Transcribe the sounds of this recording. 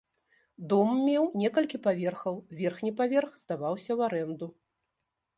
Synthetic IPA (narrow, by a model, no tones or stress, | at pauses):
d̪ɔmːʲɛwnʲɛkɐlʲkʲipavʲɛrxɐwvʲɛrxnʲipavʲɛrxzd̪avawsʲɐwaɾɛnd̪u